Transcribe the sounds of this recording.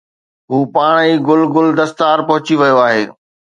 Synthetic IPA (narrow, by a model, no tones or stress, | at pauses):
ɦuːpaːɽ̃iːɡʊlɡʊld̪ɐst̪aːɾpɐɦʊt͡ɕiʋɐjoaːɦeː